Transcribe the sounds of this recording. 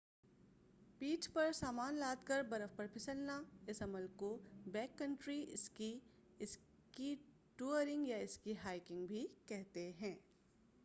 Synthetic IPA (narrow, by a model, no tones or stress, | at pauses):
piːʈpɐɾsaːmaːnlaːd̪kəɾbɐɾəfpɐɾpʰɪsəlnaɪsɐməlkobɛ̃ːkːɐ̃ɳʈɾiɪski | ɪs | ki | ʈuːəɾɪ̃ŋɡjaɪskiɦaːɪkɪ̃ŋɡbʱikɛɦt̪eɦɛ̃ː